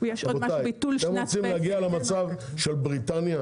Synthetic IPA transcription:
jeʃooatajbit̪ulemʁot͡simleaɡialemat͡savʃelbʁit̪anja

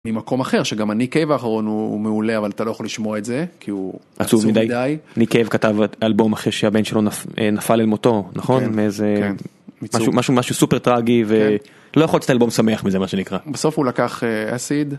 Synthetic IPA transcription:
mimako̞maχeʁʃeɡamanikevaːχaʁo̞nuːmeuleavalat̪alo̞jaχoliʃmoaetzekʰiuʔat͡suvmidajdajanikevkatavalbo̞maχeʃeabe̞nʃelo̞nafḛnafalelmoto̞naχonmeeze | mimaʃumaʃumaʃusupeʁt̪ʁaɡive | lojaχo̞ltt͡se̥talbo̞msame̞aχmizemaʃe̞nikʁabeso̞fulakaχea̰sid

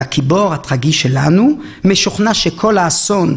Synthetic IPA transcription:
akʰibo̞ʁhat̪ʁaɡiʃelanu | meʃuχnaʃekʰo̞laːso̞n

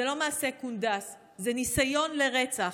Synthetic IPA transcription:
elo̞maːse̞kundas | zenisajo̞nle̞ʁet͡sa

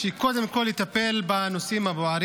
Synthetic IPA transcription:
ʃeko̞d̪emko̞lit̪ape̞lbano̞simhaboaɾ

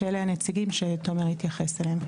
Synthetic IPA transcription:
eleanet͡siɡimʃetomeʁhit̪jaχe̞salem

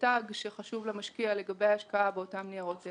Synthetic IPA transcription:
taɡʃeχaʃuvlemaʃkiale̞ɡabejaaʃkaabeotamniaʁot͡se

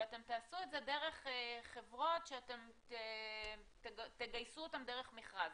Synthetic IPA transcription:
ate̞mt̪aːsueze̞de̞ʁe̞χχevʁo̞tʃeate̞mte | teɡt̪eɡajsuotamdeʁeχmiχʁad

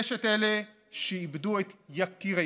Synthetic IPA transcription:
ʃet̪ele | ʃeibduet̪jakiʁa

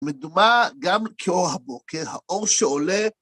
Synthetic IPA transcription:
medumaɡamkʰeo̞ʁɦabokeʁhaʔoʁʃeole

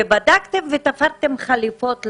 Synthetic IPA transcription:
ebad̪akt̪e̞mvet̪afaʁt̪e̞mχalifo̞t̪l

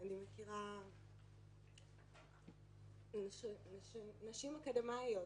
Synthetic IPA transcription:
animekiʁa | naʃnaʃinaʃimakad̪emajo

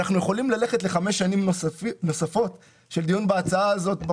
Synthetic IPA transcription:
aχnujeχo̞limlale̞χetle̞χame̞ʃːanimno̞safo̞t | ʃe̞ld̪ijunbeat͡saaːzo̞tb

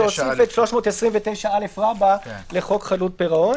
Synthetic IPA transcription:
osefet̪ʃloʃmo̞ːt̪esʁiɱvet̪ejʃaale̞fʁabaleχo̞kχalut̚peʁao̞n

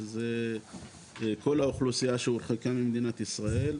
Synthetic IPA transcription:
ze | kʰo̞laoχlusijaʃeuɾχikamimd̪inat̪isʁae̞l

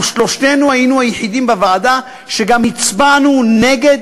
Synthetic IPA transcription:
ʃlo̞ʃte̞nuajinuhajeħid̪imbavaːd̪a | ʃeɡamit͡sbanune̞ɡe̞d̪

